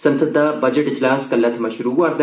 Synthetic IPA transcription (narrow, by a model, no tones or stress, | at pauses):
sɐnsəd̪ʱːabɐd͡ʑəʈid͡ʑlãːskɐlːat̪ʰɐmaɕuɾuɡaɾd̪ɐ